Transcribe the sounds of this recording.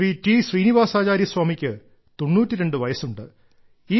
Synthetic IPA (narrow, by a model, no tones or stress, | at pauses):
ritiːɕriːniʋaːsaːt͡ɕaːɾjɐswaːmikʲːɨ | t̪o̞nːuːtːiɾe̞ɳɖɨʋɐjɐsuɳɖɨ | iː